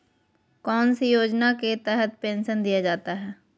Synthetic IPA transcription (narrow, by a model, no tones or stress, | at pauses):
kɔːnsijoːd͡ʒnaket̪ɛːɦət̪pɛ̃ːnsənd̪ijad͡ʒaːt̪aɦɛː